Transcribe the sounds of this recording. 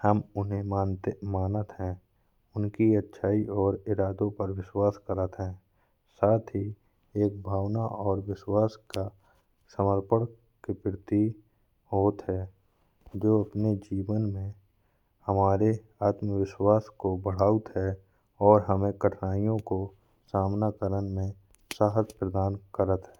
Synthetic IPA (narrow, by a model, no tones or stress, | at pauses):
həmʊnɦẽmaːnt̪emaːnət̪ɦɛ̃ | ʊnkiətːʃʰaːiɔːɾɪɾaːd̪õpəɾwɪʃwaːskəɾət̪ɦɛ̃ː | saːt̪ʰɦi | eːk̚bʱaːʋnaʔɔːɾwɪʃwaːska | səməɾpəɽ | kepɪɾt̪i | ɦoːt̪ɦɛː | d͡ʒoːɐpned͡ʒiːʋənmẽ | həmaːɾe | aːt̪məʋɪʃwaːskobəɽ̤aːut̪ɦɛ | ɔːɾɦəmẽkəʈʰnaːijõko | saːmnakəɾənmẽ | saːɦəspɾəd̪aːnkəɾət̪ɦɛː